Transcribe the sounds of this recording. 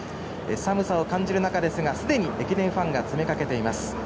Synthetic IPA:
ḛsamɯ̟sao̞kãɲ̟d͡ʑiɾɯ̟nakad̪e̞sɨɡasɨd̪e̞ɲ̟iekʲid̪ẽ̞ɰ̃ɸãŋɡat͡sɨme̞kake̞t̪e̞imasɨ̥

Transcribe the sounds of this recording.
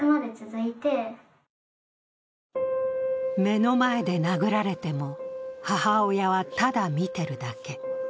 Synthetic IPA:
ɯmad̪e̞t͡sɨzɨit̪e̞ | me̞no̞mae̞d̪e̞naɡɯ̟ɾaɾe̞t̪e̞mo̞hahaojaβat̪ad̪amʲit̪e̞ɾɯ̟d̪ake̞

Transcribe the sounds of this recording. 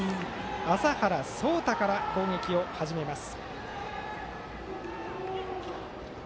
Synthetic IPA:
asahaɾaso̞ːt̪akaɾako̞ːŋe̞kʲio̞haʑime̞masɨ̥

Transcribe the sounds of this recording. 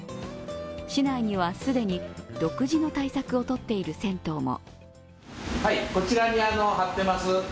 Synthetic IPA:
ɕinaiɲ̟iβasɨd̪e̞ɲ̟id̪o̞kɯ̟ʑino̞t̪aisakɯ̟o̞t̪o̞t̪ːe̞iɾɯ̟sẽ̞nt̪o̞ːmo̰ | haiko̞t͡ɕiɾaɲiano̞ɦat̪ːe̞masɨ

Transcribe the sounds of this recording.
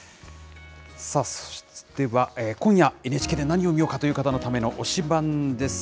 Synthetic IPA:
saso̥ɕd̪e̞βaeːkõɰ̃jaenet͡ɕi̥ked̪e̞naɲ̟io̞mʲijo̞ːkat̪o̞jiɯ̟kat̪ano̞t̪ame̞no̞ʔoɕibãnd̪e̞sɨ̥

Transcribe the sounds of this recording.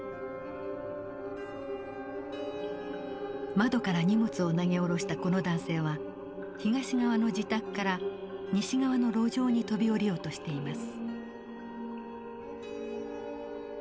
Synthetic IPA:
mad̪o̞kaɾaɲ̟imot͡sɨo̞naɡe̞o̞ɾo̞ɕi̥t̪ako̞no̞d̪ãɰ̃se̞ːβa | çiɡaɕiɡaβ̞ano̞d͡ʑit̪akɯ̟̥kːaɾa | ɲ̟iɕiɡaβano̞ɾo̞ːʑo̞ːɲ̟it̪o̞bʲio̞ɾʲijo̞ːt̪o̞ɕi̥t̪e̞imasɨ̥

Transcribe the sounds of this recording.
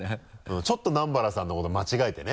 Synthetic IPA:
ɯ̟̃t͡ɕo̞t̪ːo̞nãmbaɾasãnːoko̞t̪omat͡ɕiɡait̪e̞ne

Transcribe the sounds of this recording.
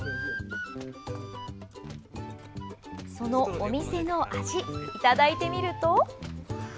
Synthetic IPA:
so̞no̞omʲise̞no̞ʔaʑiːt̪ad̪ait̪e̞mʲiɾɯ̟t̪o̞

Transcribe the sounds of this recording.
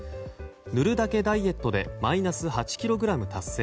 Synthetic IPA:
nɯ̟ɾɯ̟d̪ake̞d̪aie̞t̪ːo̞d̪e̞̰mainasɨhat͡ɕi̥kʲiɾo̞ɡɯ̟ɾamɯ̟t̪asːe̞ː

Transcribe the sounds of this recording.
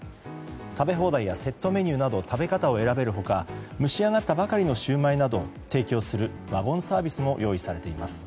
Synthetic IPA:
t̪abe̞ɦo̞ːd̪aijase̞t̪ːo̞me̞ɲ̟ɨːnad̪o̞t̪ʰabe̞kat̪ao̞e̞ɾabe̞ɾɯ̟ɦo̞kamɯ̟ɕiaŋat̪ːabakaɾʲino̞ɕɨːmainad̪o̞t̪e̞ːkʲo̞ːsɨɾɯ̟ | βabõ̞ɰ̃saːbʲisɨmo̞jʔo̞ːisaɾe̞t̪e̞imasɨ̥

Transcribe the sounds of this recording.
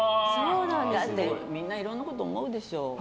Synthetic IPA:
soːnãnd̪eemʲĩnːaiɾonːakot̪oːmo̞ɯ̟d̪e̞ɕo̞ː

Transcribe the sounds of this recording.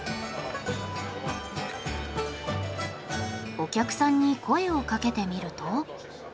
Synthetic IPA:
o̞kʲakɯ̟̥sãɲ̟ːikʰo̞e̞o̞kake̞t̪e̞mʲiɾɯ̟t̪o̞

